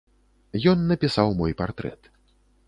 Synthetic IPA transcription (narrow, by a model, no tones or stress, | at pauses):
jɔnːɐpʲisawmɔjpa̰rt̪ɾɛ̰t̪